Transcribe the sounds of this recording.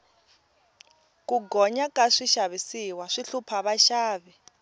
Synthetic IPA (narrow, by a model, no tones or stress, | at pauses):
kʼuɡɔɲakʼaʂiʃaβisiwaʂiɬupʰaβaʃaːβɛ